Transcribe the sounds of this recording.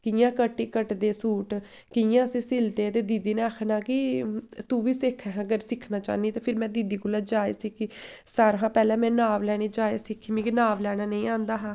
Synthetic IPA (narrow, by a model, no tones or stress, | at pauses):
kɪjãːkəʈːiːkəʈd̪eːsuːʈ | kɪjãːsĩːsɪlt̪eːt̪eːd̪iːd̪iːneːaːkʰnaːkɪt̪uːʋiːsɪkʰɛɦəɡəɾsɪkʰnaːt͡ʃa̰ːniːt̪eːpʰɪɾmɛ̃ːd̪iːd̪iːkoːlaːd͡ʒaːḛːsikʰiːsaːɾɦãːpɛːlɛ̃ːmɛ̃ːnaːʋlɛːɽ̃eːd͡ʒaːeːsɪkʰːiːmĩːkɪnaːʋlɛːɽ̃aːnəĩːãːnd̪aːɦaː